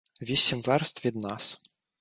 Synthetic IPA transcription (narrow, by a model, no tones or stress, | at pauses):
ʋʲisʲimʋɛrst̪ʋʲid̪nɑs